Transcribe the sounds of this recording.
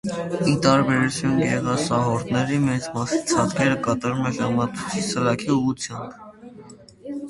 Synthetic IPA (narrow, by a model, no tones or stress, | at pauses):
it̪ɑɾbɛɾut͡sʰjunɡɛʁɑsɑɦɔɾt̪nɛɾimɛt͡smɑsit͡sʰɑt̪kʰɛɾəkɑt̪ɑɾumɛʒɑmɑt̪ʰu̥t͡sʰisəlɑkʰiuʁut͡sʰjɑmb